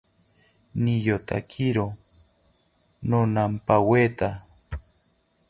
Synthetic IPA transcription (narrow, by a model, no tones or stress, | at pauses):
nijot̪a̰kʰiɾo | nonampaweːt̪a